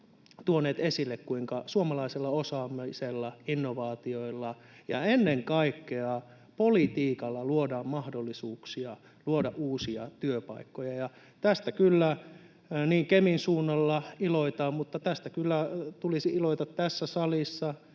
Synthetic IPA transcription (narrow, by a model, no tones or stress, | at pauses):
t̪uonːeːt̪esilːekkuiŋkɑsuomɑlɑiselːɑosɑːmeselːɑinːoʋɑːt̪ioilːɑ | jɑ̰enːeŋkɑikːeɑ | polit̪iːkɑlːɑluodɑːmmɑhdolːisuːksiɑ | luodɑʔʔuːsiɑt̪yøpɑ̰ikːojɑjɑ | t̪æst̪ækylːæ | niːŋkeminsuːnːɑlːɑiloit̪ɑːmmut̪ːɑt̪æst̪ækylːæt̪ulisiiloit̪ɑt̪tæsːæsɑlisːɑ